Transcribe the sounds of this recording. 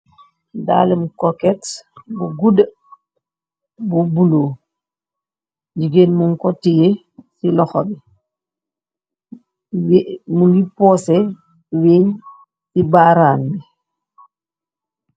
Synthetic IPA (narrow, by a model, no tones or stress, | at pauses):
da̰lɛmukɔkɛtbuɡudə | bubuloː | d͡ʒiɡenmuŋkɔtije | silɔxɔbi | mulipɔsɛ | weɲ | sibaːɾaːnmi